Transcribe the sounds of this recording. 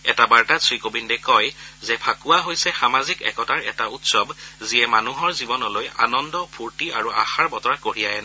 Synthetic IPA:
ɛ̰tabaɹtasɹikobindɛkɔjzɛpʰakʊwaɦojsɛxamazikɛ̰kɔtaɹɛ̰tautsɔbzijɛmanuɦɔɹzibɔnɔloja̰nɔndɔpʰuɹtiaɹuaxaɹbɔtɔɹakoɹijajɛn

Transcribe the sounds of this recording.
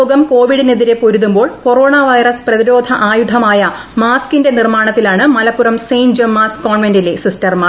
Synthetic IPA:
ɡɐmko̞ːʋiɽineðiɾe̞poɾuðumbo̞ːɭko̞ro̞ːɳaːʋɐjrɐsprɐðiɾo̞ːd̪ʱɐʔaːjud̪ʱɐmaːjɐ | maːskinde̞nirmaːɳɐt̪ːilaːɳɨmɐlɐpːuɾɐmsejnd͡ʑɐmːaːskːoːɳʋendilesistɐrmaː

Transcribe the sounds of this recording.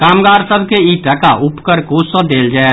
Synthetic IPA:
kaːmɡaɾsəbʱkeiʈəkaʔupkəɾkosəd̪eld͡ʒaɛ

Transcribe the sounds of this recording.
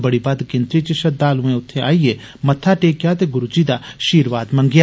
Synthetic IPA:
bəɽiːbad̪kɪ̃nt̪ɾiːt͡ʃəʃəd̪aːlũːẽːʊt̪ʰːẽa̰ːieː | mət̪ʰːaːʈeːkjaːt̪eːɡʊɾud͡ʒiːd̪aːʃiːɾʋaːd̪mə̃ŋɡjaː

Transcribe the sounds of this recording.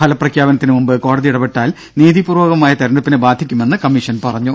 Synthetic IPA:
pʰɐlɐprɐkʰjaːbɐnɐt̪ːinɨmumbɨko̞ːɽɐðiiɽɐbeʈːaːl | niːðipuːrʋoːɣɐmaːjɐt̪ɐɾɐɳɖupːinɨbaːd̪ʱːikʲːume̞nːɨkɐmːiʂɐnpɐrɐɲːu

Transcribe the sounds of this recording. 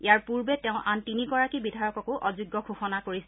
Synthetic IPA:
ijaɹpuɹbɛtɛʊ̃ʔantiniɡɔɹakibidʱajɔkɔkʊʔɔzuɡːɔkʰoxɔnakoɹisɛ

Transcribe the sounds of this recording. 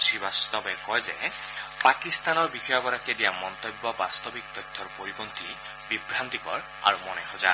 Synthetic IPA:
tʰibast̪ɔbekɔjzepakist̪anɔɹbixɔjɔɡɔɾakedijamɔnt̪ɔjbːɔbast̪ɔbik̚t̪ɔjt̪ʰːɔɹpoɹibont̪i | bibɾant̪ikɔ̰ɹ | a̰ɹumɔnexɔza̰

